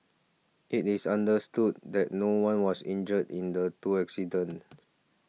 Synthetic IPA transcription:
ʔitisãndəstud̚dɛt̚nowãnwɔsĩnd͡ʒədĩndətuɛksidə̃n

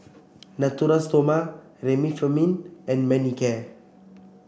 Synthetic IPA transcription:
nat̪uɾast̪oma | ɾemifəminɛ̃nmɛnikɛ

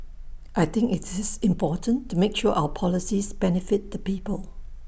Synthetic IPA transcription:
ʔaɪt̪ɪ̃ŋkɪtɪsɪ̃mpɔtə̃ntːumekʃuəʔaʊəpʰɔlɪsisbɛnɪfɪt̚d̪əpiːpəl

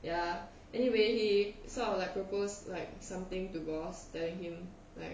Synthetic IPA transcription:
ja | ʔɛniwehisɔlaɪk̚pɹoposlaɪk̚sãmt̪ɪ̃ŋtuɡɔstɛlɪ̃ŋhĩm | la̰ɪk̚

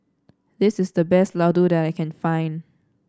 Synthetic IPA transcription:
dɪsɪsdəbɛstlaʊdudɛtajkʰɛ̃nfãɪ̃n

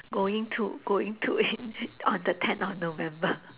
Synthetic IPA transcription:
ɡoĩŋtʰṵɡ̥oĩŋtʰuinɔ̃nd̪ətʰɛ̃nɔfnovɛ̃mbə

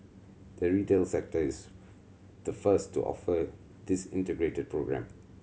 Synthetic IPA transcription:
d̪̥əɹitelsɛk̚təis | d̪̥əfəstʰːṵʔɔ̰fə | d̪ɪsɪ̰̃ntəɡɹetəd̚pʰɹoɡɹæ̰̃m

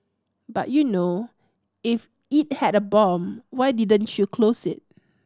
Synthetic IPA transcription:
ba̰t̚juno | if | it̚hɛdəbɔ̃mwajdidə̃nt͡ʃukʰlosɪ̰t̚

